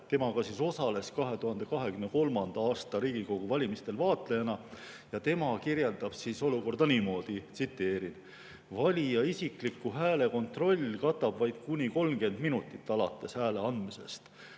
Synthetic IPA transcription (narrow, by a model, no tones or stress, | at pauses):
t̪e̞mɑɡɑsiso̞sɑle̞skɑɦe̞t̪uhɑnd̪̥e̞kɑɦe̞kymne̞ko̞lmɑnd̪̥ɑɑːst̪ɑɾiːɡ̥iko̞ɡ̥uvɑlʲimist̪e̞lvɑːt̪lejɑnɑ | jɑt̪e̞mɑkirje̞ld̪ɑb̥siso̞luko̞rd̪ɑnimo̞ːd̪̥it̪sit̪ːˑe̞ːɾin | vɑlʲijɑisiklikːˑuɦæːle̞ko̞nt̪ro̞lʲːkɑt̪ːˑɑb̥vɑjd̪̥kunʲiko̞lmke̞nd̪minut̪ːˑit̪ːˑɑlɑ̰t̪ːˑe̞shæːle̞ɑnd̪mise̞̰st̪